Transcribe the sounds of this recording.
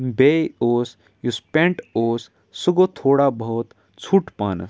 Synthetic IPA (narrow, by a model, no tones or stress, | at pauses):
bejoːs | juspẽɳʈoːs | suɡot̪ʰoːɽabʱɔːt̪ | t͡sʰuːʈpaːn̰